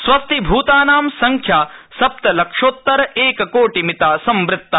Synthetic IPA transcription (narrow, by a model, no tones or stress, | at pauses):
sʋɐst̪ʰibʱuːt̪aːnaːmsɐŋkʰjaːsɐp̚t̪ɐlɐkʂoːt̪ːɐɾɐeːkɐkoːʈimit̪aːsɐmʋɾɪt̪ːɐ